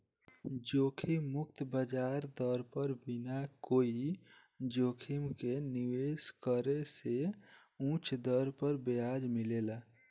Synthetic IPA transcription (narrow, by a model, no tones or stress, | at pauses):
d͡ʒokʰiːʊk̚t̪bəd͡ʒaɾd̪ɔɾpəɾbinakoi | d͡ʒoːkʰimkeniweskəɾese | ũt͡ʃʰd̪ɔɾpəɾbead͡ʒmilela